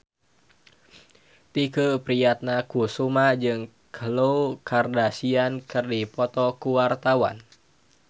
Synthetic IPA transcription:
t̪ikəpɾiat̪̚nakusumad͡ʒɨŋ | kʰəlowkʰardasiankɨrdipɔt̪ɔkuwart̪awa̰n

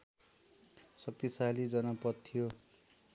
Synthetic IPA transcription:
sʌk̚t̪isalid͡zʌnʌpʌt̪ʰːijo

